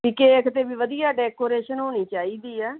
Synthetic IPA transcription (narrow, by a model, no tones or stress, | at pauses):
kiːkeːɪkʰt̪eːbiːʋəd̪ijaːɖɛːkoːɾeːʃənɦoːñiːt͡ʃaːiːd̪iːɛː